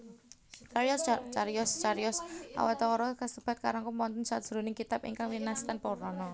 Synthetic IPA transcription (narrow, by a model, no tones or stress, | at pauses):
t͡ʃaɾjɔst͡ʃaɾijɔst͡ʃaɾjɔsʔa̰wɛt̪ɔɾɔkast̪əb̥at̪̚ka̰ɾaŋkumɔnt̪ənsad̥ʒ̥ɾunɪŋkit̪apḭŋkaŋwinast̪anpɔɾɔnɔ